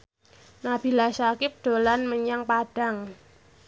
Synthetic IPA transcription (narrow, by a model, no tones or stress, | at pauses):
nab̥i̤lasakɪp̚d̪̥o̤lanməɲaŋpaɖ̥a̤ŋ